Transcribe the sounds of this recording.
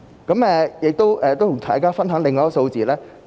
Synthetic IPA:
kɐ˨˥mɛː˨jɪ˨k̚t̪o˥wʔɛː˨t̪o˥wt̪ʰʊ˨˩ŋt̪ʰa̰ː˨˩jkaː˥fɐ˥nɦœː˨˥ŋlɪ˨˧ŋːɔː˨˥so˧wt͡siː˨lɛː˥

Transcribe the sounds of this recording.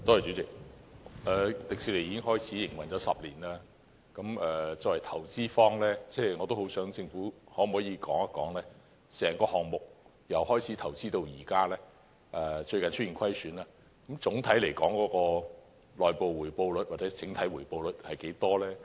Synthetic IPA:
t̪ɔː˥ɔ˨˩t͡ʃy˨˥t͡sɪ˨k̚ʔɛː˨˧t̪ɪ˨k̚siː˧le˨˩ji˨˥kɪ˥ŋɦɔː˥jt͡sʰiː˨˥jɪ˨˩ŋwɐ˨nt͡ʃɔː˨˥sɐ̰˨p̚liː˨˩naː˧ | kɐ˨˥mɛː˨t͡sɔ˧˥wɐ˨jt̪ʰɐ˨˩wt͡siː˥fɔː˥ŋlɛː˥t͡sɛː˥˩ŋɔː˨˧t̪o˥who˨˥wsœː˨˥ŋt͡sɪ˧ŋfuː˨˥hɔː˨˥m̩˨hɔː˨˥jiː˨˧kɔː˨˥ŋa˥kːɔː˨˥ŋlɛː˥ | sɛː˨˩ŋkɔː˧hɔː˨˩ŋmʊ˨k̚ | jɐ˨whɔː˥jt͡sʰiː˨˥t̪ʰɐ˨˩wt͡siː˥t̪o˧wjiː˨˩kaː˥lɛː˥ | ʔɛː˨˩t͡ʃɵ˧ɥkɐ˨nt͡ʃʰt̚i˨nkʷʰɐ˥jsyː˨˥nlaː˧ | kɐ˨˧˥mt͡sʊ˨˥ŋt̪ʰɐ˨˥jle˨˩jkɔː˨˥ŋkɔː˨˥kɔː˧ | lɔː˨jpo˨wwuː˨˩jpo˧wlɵ˨˥t̚waː˨˩t͡sɛː˨˥t͡sʰɪ˨˥ŋt̪ʰɐ˨˥jwuː˨˩jpo˧wlɵ˨˥t̚hɐ˨jke˨˥jt̪ɔː˥lɛː˥

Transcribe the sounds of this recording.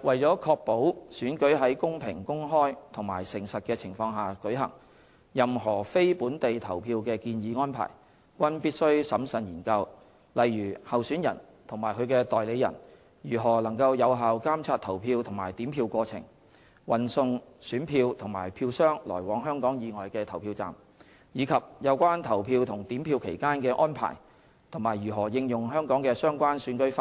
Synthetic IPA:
wʔɐ˨jt͡sɔː˨˥kʰɔː˧k̚po˨˥wsyː˨˥nkɵ˨˥ɥɦɐ˨˥jkʊ˥ŋpʰɪ˨˩ŋkʊ˥ŋɦɔː˥jt̪ʰʊ˨˩ŋmaː˨˩jsɪ˨˩ŋsɐ˨t̚kɛː˧t͡sʰɪ˨˩ŋfɔː˧ŋɦaː˨kɵ˨˥ɥɦɐ̰˨˩ŋ | jɐ˨mɦɔː˨˩fe˥jpuː˨˥nt̪e˨jt̪ʰɐ˨˩wpʰiː˧wkɛː˧kiː˧njiː˨˧ŋɔː˥npʰa̰ː˨˩j | kʷɐ˥npiː˥t̚sɵ˥ɥsɐ˨˥msɐ˨˩njiː˨˩nkɐ˧w | lɐ˨jːyː˨˩hɐ˨wsyː˨˥njɐ̰˨˩n | t̪ʰʊ˨˩ŋmaː˨˩jkʰɵ˨˧ɥkɛː˧t̪ɔː˨jle˨˧jɐ̰˨˩n | jyː˨˩ɦɔː˨˩lɐ˨˩ŋkɐ˧wjɐ˨˧wɦaː˨wkaː˥mt͡sʰaː˧t̚t̪ʰɐ˨˩wpʰiː˧wt̪ʰʊ˨˩ŋmaː˨˩jt̪iː˨˥mpʰiː˧wkʷɔː˧t͡sʰɪ̰˨˩ŋ | wɐ˨˩nsʊ˧ŋsyː˨˥npʰiː˧wt̪ʰʊ˨˩ŋma̰ː˨˩jpʰiː˧wsœː˥ŋlɔ̰ː˨˩jwɔː˨˧˥ŋɦœː˥ŋkɔː˨˥ŋjiː˨˧ŋɔː˨jkɛː˧t̪ʰɐ˨˩wpʰiː˧wt͡sa̰ː˨m | jiː˨˧kʰɐ˨p̚jɐ˨˧wkʷaː˥nt̪ʰɐ˨˩wpʰiː˧wt̪ʰʊ˨˩ŋt̪iː˨˥mpʰiː˧wkʰḛ˨˩jkaː˥nkɛː˧ʔɔː˥npʰa̰ː˨˩j | t̪ʰʊ˨˩ŋmaː˨˩jɥyː˨˩ɦɔː˨˩jɪ˧ŋjʊ˨˩ŋɦœː˥ŋkɔː˨˥ŋkɛː˧sœː˥ŋkʷaː˥nsyː˨˥nkɵ˥faː˧

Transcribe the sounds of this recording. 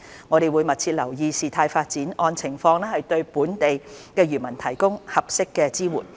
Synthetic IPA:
ŋɔː˨˧ɾe˨jwuː˨˧jmɐ˨t̚t͡sʰiː˧t̚lɐ˨˩wjiː˨˧siː˨t̪ʰaː˧jfaː˧t̚t͡siː˨˥nʔɔː˧nt͡sʰɪ˨˩ŋfɔː˧ŋlɛː˥hɐ˨jt̪ɵ˧ɥpuː˨˥nt̪e˨jkɛː˧ɥyː˨˩nmɐ˨˩nt̪ʰɐ˨˩jkʊ˥ŋhɐ˨p̚sɪ˥kːɛː˧t͡siː˥wṵː˨˩n

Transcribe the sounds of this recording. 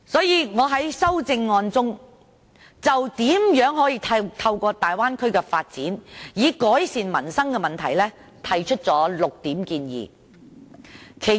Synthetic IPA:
sɔː˨˥jiː˨˧ŋɔː˨˧ɦɐ˨˥jsɐ˥wt͡sɪ˧ŋːɔː˧nt͡sʊ˥ŋ | t͡sɐ˨wt̪iː˨˥mjœː˨˥ŋɦɔː˨˥jiː˧t̪ʰɐt̪ʰɐ˧wkɔː˧t̪aː˨jwaː˥nkʰɵ˥ɥkɛː˧faː˧t̚t͡siː˨˥njiː˨˧kɔː˨˥jsiː˨nmɐ˨˩nsɐ˥ŋkɛ˧mɐ˨nt̪ʰɐ̰˨˩jlɛː˥ | t̪ʰɐ˨˩jt͡ʃʰɵ˥t̚t͡sɔː˨˥lʊ˨k̚t̪iː˨˥mkiː˧njḭː˨ | kʰe˨˩

